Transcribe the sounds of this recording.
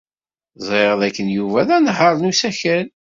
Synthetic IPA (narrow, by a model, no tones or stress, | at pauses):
zˤʁeɾəðækːənjuvæðænəħəɾˤnusæçæl